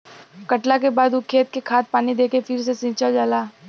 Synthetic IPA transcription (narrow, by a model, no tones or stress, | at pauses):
kɐʈlakebaːd̪ʊkʰːeːt̪̚kekʰaːt̪̚paːnid̪eːkefʰɪɾs̬esɪ̃ːt͡ʃəld͡ʒaːlaː